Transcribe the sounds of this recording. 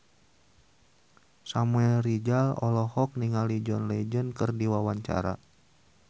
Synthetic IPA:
samuɛlrid͡ʒalɔ̰lɔhɔk̚niŋalid͡ʒɔnlɛd͡ʒənkɨrdiwawaɲt͡ʃa̰ɾa̰

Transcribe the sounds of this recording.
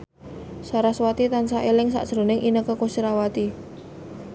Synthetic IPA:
saɾaswat̪it̪ansaʔelɪŋsa̰ʔʒ̥ɾo̤nɪŋʔinəkəkosiɾawat̪i

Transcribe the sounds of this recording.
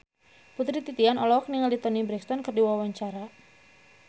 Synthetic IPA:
put̪ɾit̪it̪ianɔlɔk̚niŋaldit̪ɔnibɾɛkst̪ɔnkərdiwawaɲt͡ʃaɾa

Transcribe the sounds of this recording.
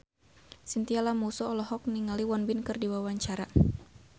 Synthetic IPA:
sint̪ialamusɔːlɔɦɔk̚niŋaliwɔnbɪnkɨrdiwawaɲt͡ʃaɾa

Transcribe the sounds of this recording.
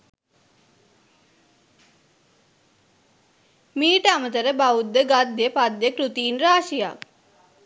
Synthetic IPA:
miːʈəamət̪əɾəbaud̪ːəɡad̪ːjəpad̪ːjəkɾut̪iːnraːʃija̰k

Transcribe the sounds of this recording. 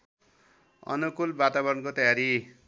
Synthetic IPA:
ʌ̰nukulbat̪abʌɾʌnkot̪ʌjaɾi

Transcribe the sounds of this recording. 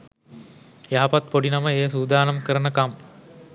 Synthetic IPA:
jaɦɐpat̪̚poɖinɐməeːəsuːd̪aːnɐmkəɾənəkam

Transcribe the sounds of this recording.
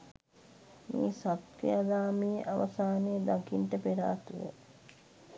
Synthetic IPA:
mḭːsat̪kiad̪aːmijʔaʋɐsaːnejəd̪akinʈəpeɾa̰ːt̪uʋə̰

